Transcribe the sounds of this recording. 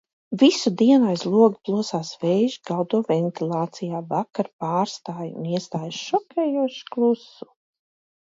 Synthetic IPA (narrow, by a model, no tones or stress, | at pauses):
visud̪iɛnajslˠuɔɡplˠuɔsaːsvɛjʒiɡawd̪uɔvɛnt̪ilˠaːt̪sijaːvakaɾpaːɾst̪aːjṵniɛst̪aːjʃɔkʲɛːjuɔʃklˠusu̥